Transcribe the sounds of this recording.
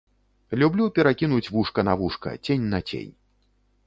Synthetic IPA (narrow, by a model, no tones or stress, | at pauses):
lʲublʲupʲɛɾakʲinut͡sʲvuʂkɐnavuʂkɐ̰t͡sʲenʲnɐt͡sʲḛnʲ